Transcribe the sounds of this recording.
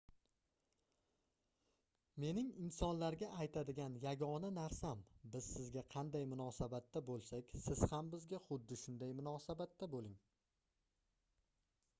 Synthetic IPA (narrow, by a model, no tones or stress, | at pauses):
me̞nɪŋɪnsɒnlaɾɡʲaʔːjt̪ʰad̪ɪɡʲanjaɡʲɒnanaɾsambɪz̥sɪzɡʲaqʰɑnd̪ajmʊnɒsabat̪ːabolˠsakʲsɪz̥hambɪzɡʲaχʊd̪ːɪʃʊnd̪ajmʊnɒsabat̪ːabolˠɪŋ